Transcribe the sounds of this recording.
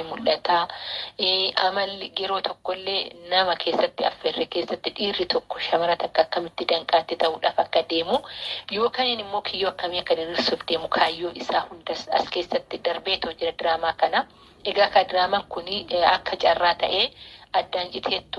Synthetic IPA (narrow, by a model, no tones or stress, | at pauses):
ɪmʊlʔɐt̪aː | ʔɐmɐlɡɛɾo̞ːt̪ʰɔkːɔlːe̞ːnɐmɐkʰe̞ːsːɐt̪ːɪɐ̰fːɛrːɛke̞ːsːɐt̪ːɪᶑiːrːɪt̪ʰɔkːɔ̥ʃɐmɐɾɐt̪ɐkːɐːkːɐmɪt̪ːɪd̪ɐŋkʼaːt̪ːɪt̪ɐʔuːᶑaːfɐkːɐd̪e̞ːmʊjo̞ːkaːnɪnɪmːo̞ːkʰɪjːoːɐkːɐmekːɐnɪrɪɾsofd̪e̞ːmʊkʰaːjːoːʔɪsaːhʊnd̪ɐsɐ̰ske̞ːsːɐt̪ːɪd̪ɐɾbeːt̪ɛhɔd͡ʒːɪɾɐd̪ɪɾaːmaːkɐnɐ | ʔɛɡaːkaːd̪ɾaːmaŋkʊnɐkːɐt͡ʃʼɐrːaːt̪ɐ̰ʔeːʔɐd̪ːaːnt͡ʃʼɪt̪ʰeːt̪ːʊ